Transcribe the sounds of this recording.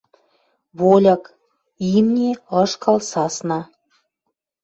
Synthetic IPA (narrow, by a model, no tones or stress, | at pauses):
βolʲɑk | imnʲeɤʃkɑlsɑsnɑ